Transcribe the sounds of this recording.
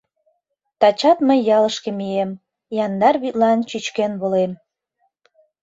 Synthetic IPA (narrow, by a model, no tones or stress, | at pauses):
t̪ɑt͡ɕɑt̪məjːɑləʃkĕmiem | jɑnd̪ɑrβyt̪lɑnt͡ɕyt͡ɕkenβolem